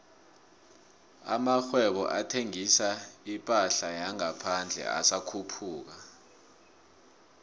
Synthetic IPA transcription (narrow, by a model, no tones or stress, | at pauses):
a̰maxwɛɓɔ̰ʔatʰeŋisaipʼaɬajaŋapʰand͡ɮʱɛ̰a̰sakʰupʰuːk̬a